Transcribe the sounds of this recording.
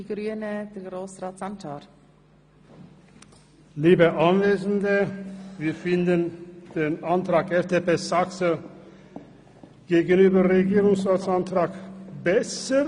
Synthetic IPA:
ɡɾyːənəd̥ɛɡɾoːsraːtsantʰaːɾ | liːbəʔanveːzn̩dəviːɐfɪndənd̥eːnantʁ̥aːkɛftʰepeːsaksə | ɡ̥eːɡənyːbəʁeɡiːʁʊŋsʁaːtt͡ssantʁ̥aːkbɛsə

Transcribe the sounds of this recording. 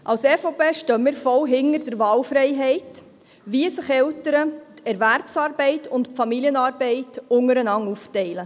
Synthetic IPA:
ʔɑlsɛfopeːʃtœmiːɾfɔlɦɪŋəɾdəɾʋɑːlfɾɛɪɦɛɪt | ʋiəsəχɛltəɾətʰɛɾværpsɑːɾbɛɪtʊntpfɑmiliənɑːɾbɛɪtʊŋəɾənɑŋuftɛɪlə

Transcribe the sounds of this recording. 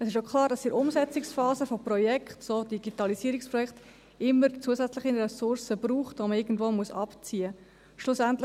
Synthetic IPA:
əsɪʃokʰlˠɑːɾdɑsɪɾʔʊmzɛt͡sɪksfɑːzəfoprɔjɛkχtsodiɡitɑliziəɾɪkspɾɔjɛkχt | ɪmːəɾt͡suəsɛt͡slɪχinɾɛsʊɾsəbɾuːχtvoməɪɡn̩dvoːmuəsɑpt͡siːə | ʃlʊsæntl

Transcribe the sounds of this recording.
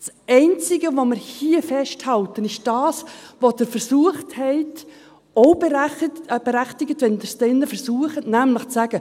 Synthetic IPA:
sɛɪnt͡sɪɡəʋomɪɾhiəfɛʃthɑltənɪʃd̥ɑːsʋod̥əɾfəɾsuəχthɛɪt | oʊb | b̥eɾæχtɪɡətvʋɛndəɾsd̥ɛnːəfəɾsuəχətnæmləχt͡sæɡ̥ə

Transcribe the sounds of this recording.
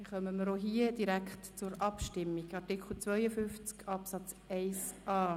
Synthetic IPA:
χœməməɾoɦiːəd̥iɾækχtt͡sʊɾɑpʃtɪmːiɡɑtikʰl̩t͡sʋvœʏəfʏnft͡skɑpsɑt͡s | ɛɪsʔɑː

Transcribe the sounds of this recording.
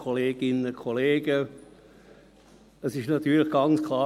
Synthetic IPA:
kʰoleːɡ̥ɪnəkʰoleːɡə | əsɪʃnɑt̪yːləχɡ̥ɑnt͡skʰlɑː

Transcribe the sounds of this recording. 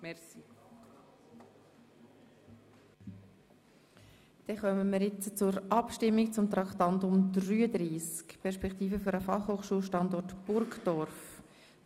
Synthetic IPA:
mɛsi | d̥ɛχœməməːɾjɪt͡st͡sʊɾʔɑpʃtɪmːikt͡sʊmt̪ɾɑkt̪ɑntʊmdɾyːəd̪ɾiːskpʰɛɾʃpɛkt̪iːfəfʏɾəfɑχhoːχʃuːlˠʃtɑndɔrtb̥ʊɾkd̥ɔɾf

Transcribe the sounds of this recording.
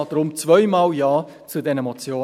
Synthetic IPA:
d̥ɾʊmt͡svœʏmɑːljɑː | t͡sudɛnəmɔt͡sjoː

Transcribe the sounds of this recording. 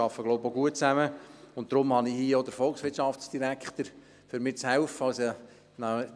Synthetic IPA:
ɑfːəɡloʊboɡuət̚t͡sæməʊnt̚d̥̪ɾʊmhɑnihiːod̪əɾfɔlksʋɪtʃɑfsd̥iɾækχt̪əɾ | fʏɾmɪːt͡shɛʊfəɑlsə | nɑ

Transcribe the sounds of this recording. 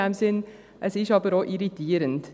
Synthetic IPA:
æmsɪn | ʔæsiʃɑːpəɾoːʔɪɾɪt̪ʰiːɾənt̪

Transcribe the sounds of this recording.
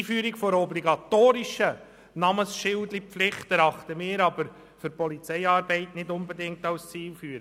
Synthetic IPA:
fyːɾikfɔɾɔbliɡɑt̪oːɾiʃə | nɑməsʃɪwdlipflɪχt̪æɾɑχt̪əmɪːɾɑbəɾ | fʏɾpɔlit͡sɛɪɑːɾbɛɪtnɪdʊnbedɪŋktɑwst͡siːlfyːəɾə

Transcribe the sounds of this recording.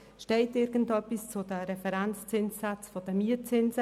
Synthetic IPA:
ʃtɛɪtɪɾɡ̥ən̩tœpist͡sʊdəɾɛfɛɾɛnt͡st͡sɪnsːat͡sfɔdəmiət͡sɪnsə

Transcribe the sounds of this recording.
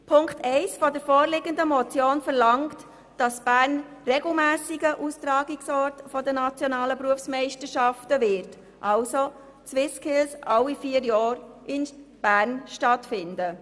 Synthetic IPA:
pʰʊŋktɛɪsfɔdəɾfɔːɾlɪɡəndəmɔt͡sjoːnfəɾlɑŋkt | d̥ɑsb̥æːɾn | rɛɡl̩mæːsɪɡəʔustɾɑːɡɪksɔɾtfɔdənɑt͡sjɔnɑːləpɾuəfsmɛɪʃtəɾʃɑftəvɪɾt | ʔɑlso | t͡swɪskʰɪlsʔɑʊifiəɾjɑːɾʔɪnb̥æːɾnʃtɑtfɪndə

